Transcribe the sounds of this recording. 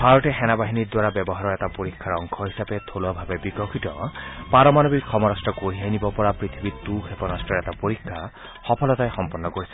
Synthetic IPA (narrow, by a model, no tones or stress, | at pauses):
b̥ʱaɹɔtɛxɛnabaɦinidwaɹabɛbɔɦaɹɔɹɛtapoɹikʰːaɹɔŋkʰɔɦisapɛt̪ʰolabʱabɛbikɔkʰitɔ̰paɹɔmanobikxɔmɔɹastɔkoɹiɦajnibɔpɔɹapɹit̪ʰibituxepɔnastɔɹɛtapoɹikʰːa | xɔpʰɔlɔtajxɔmpɔnːɔkoɹisɛ